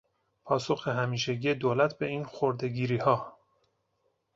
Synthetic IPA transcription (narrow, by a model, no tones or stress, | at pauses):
pʰɒːso̞xeɦæmiːʃeɟije̞d̪oːlæt̪ʰbe̞iːnxoɾd̪e̞ɡiːɾiːhɒː